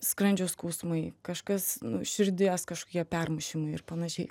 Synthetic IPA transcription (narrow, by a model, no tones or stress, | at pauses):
skɾɐnʲd͡ʒʲoskɐʊsmɐɪkɐʃkɐsnʊʃʲɪɾʲd̪ʲiɛskɐʃkokʲiɛpʲɛrmɐʃʲimɐɪɪ̰rpɐnɐʃʲɛɪ